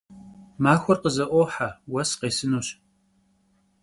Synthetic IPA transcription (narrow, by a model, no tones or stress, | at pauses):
maːxʷɔrqəzɐʔʷoħawɐsqeːsɨnuːɕ